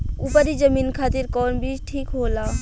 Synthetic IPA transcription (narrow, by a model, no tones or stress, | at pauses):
upəɾid͡ʒəmiːnkʰaːt̪iɾkɔːnbʱiʈʰiːkɦoːlaː